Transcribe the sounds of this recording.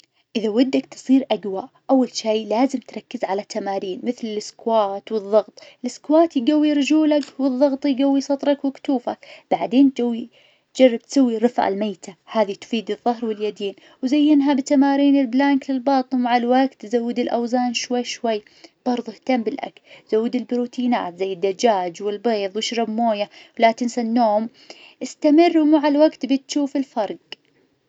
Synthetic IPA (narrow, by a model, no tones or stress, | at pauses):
ʔɪðawad̪ːakt̪ɨ̥sˤiːɾʔaɡwaːʔʔawːalʃiːlaːzɪmt̪ɾˤɑkːɪzʕalat̪ːamaːɾiːnmɪθlɪlɪskwaːt̪wɨðˤːɑɣt̪ˤɪlʔɪskwaːt̪jɡawːiɾɪd͡ʒuːlakwɨðˤːɑɣt̪ˤjɡawːisˤɑt̪ˤɾˤɑkwɪkt̪uːfakb̥aʕd̪eːnt̪awi | d͡ʒarˤːɑb̚t̪sawːiɾˤɨfʕa̰lmaːt̪ʰahaːðit̪ʊ̥fiːd̪ɨðˤːɑɦɾwɪljad̪eːn | wzajːɪnɦabɪt̪amaːɾiːnɪlblaŋklɪlbɑːt̪ˤɨnmaʕalwaɡt̪zawːɪd̪ɪlʔawzaːnʃwajːʃwajː | b̥ɑɾˤðˤuht̪ambɪlʔa̰klz̥awːɪd̪ɪlbɾuːt̪ʰiːna̰ːt̪zajːɪd̪ːad͡ʒaːd͡ʒwɪlbeːðˤwɪʃɾɑbmoːjawlaːt̪ɪnsanːoːm | ʔɪst̪amɪrːwmaʕalwaɡt̪bɪt̪ʃuːfɪlfɑɾˤɡ